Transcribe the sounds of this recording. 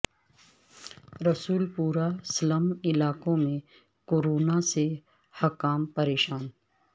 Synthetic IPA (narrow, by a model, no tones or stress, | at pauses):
ɾɐsuːlpuːɾasləmɪlaːkõmẽ | koːɾoːnase | hɐkaːmpɐɾeːʃaːn